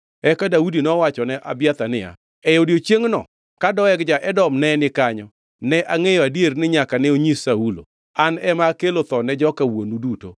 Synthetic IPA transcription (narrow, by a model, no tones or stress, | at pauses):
ɛkadaudinɔwat͡ʃɔnɛʔabjat̪anɪja̰ | ɛjodjot͡ʃjeŋnɔ̰ | kadɔɛkd͡ʒaʔɛdɔmnɛnɪkaɲɔ | nɛʔaŋejɔadjernɪɲakanɛoɲisaulo̰ | anɛmakelot̪ɔnɛd͡ʒɔkawonuduto̰